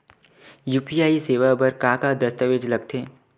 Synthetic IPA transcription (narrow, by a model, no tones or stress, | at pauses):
juːpijaːiseːʋabɐɾkakad̪ɐst̪əʋeːd͡ʒlɐɡt̪ʰeː